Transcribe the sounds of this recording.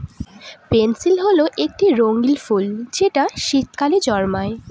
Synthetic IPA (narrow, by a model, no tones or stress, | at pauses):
pensilɦoloʔek̚ʈiɾoŋɡilfuld͡ʑeʈaʃikkaled͡ʑɔɾmae